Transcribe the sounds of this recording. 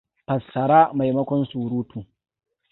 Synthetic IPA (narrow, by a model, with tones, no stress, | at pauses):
pɐ˨sːɐ˨ɾaː˦ma˨jmɐ˦kʷɔ˦nsuː˨ɾuː˦tuː˨